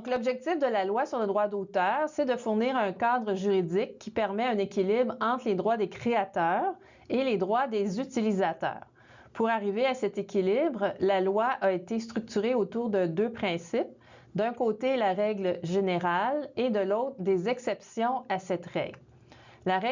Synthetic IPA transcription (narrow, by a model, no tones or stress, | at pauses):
ɔ̃klɔbʒɛk̚t̪ɪfd̪əlalwasyʁləd̪ʁwad̪ot̪œːʁsɛd̪əfʊʁniːʁœ̃kaːd̪ʁəʒyʁidd͡zɪkʲːipɛʁmɛɛ̃nekʲilɪbʁɑ̃ːt̪χled̪ʁwad̪ekχeat̪œːʁ | eled̪ʁwad̪ezyt̪ilizat̪œ̰ːʁ | pʰuʁaʁiveasɛt̪ekʲilibʁlalwaʔaet̪es̬t̪ʁyk̚t̪yʁeot̪uːʁd̪əd̪øpχɛ̃sɪp̚ | d̪œ̃koːt̪elaʁɛɡləʒeneʁaled̪əlɔʊt̪χʁd̪ezɛksɛpsjɔ̃asɛt̪ʁɛ̰ɡ | laʁɛ